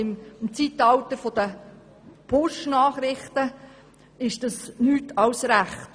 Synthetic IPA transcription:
ɪmmt͡sitɑwtəɾfɔd̥ə | pʰʊʃnɑːχɾɪχtə | ɪʃd̥ɑsnyːtɑwsɾæχt

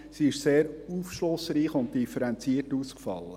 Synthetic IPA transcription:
siɪʃseːɾufʃlʊsɾiːχʊnt̚d̥ifəɾɛnt͡siəɾtuskfɑ̰lːə̰

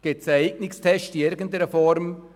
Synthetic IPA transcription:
ɡ̥esəɛɪɡnɪkstʰɛʃtiɪɾɡən̩t̪ɛɾəfɔɾm

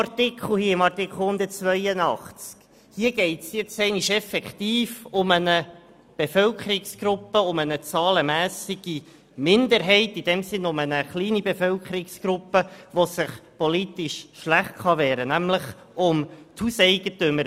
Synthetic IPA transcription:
ɑɾtɪkʰl̩ˠhiːəɪmɑrtɪkχl̩hʊnd̪ət͡sʋœjənɑχt͡sk | hiːəɡ̥ɛɪtsjɛt͡sɛɪniʃɛfɛktiːfʊmənə | b̥efœlkχəɾiksɡ̥ɾʊpːəʊmənət͡sɑːləmæːsiɡ̥i | mɪndəɾɦɛɪtid̥ɛmsɪnʊmənəχliːnibefœlkχəɾɪksɡ̥ɾʊpːəʋosəχpɔlitɪʃʃlæχtχɑʋɛːɾənæmləχ | ʊmt̪husɛɪɡ̥ətʏməɾ

